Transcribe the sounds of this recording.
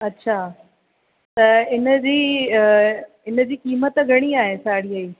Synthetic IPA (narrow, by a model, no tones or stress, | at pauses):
ɐtːɕʰaː | t̪ɐɪnəd͡ʑiː | ɪnəd͡ʑiːkiːmət̪ɡʱɐɽ̃iaːɦesaːɽ̤ijaiː